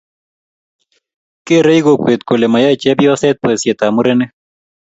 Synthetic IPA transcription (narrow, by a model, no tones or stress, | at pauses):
keɾɐjɣokʷeːt̪̚kolemɐjat͡ʃeɐbjwaset̪̚pəsjet̪aːmuɾene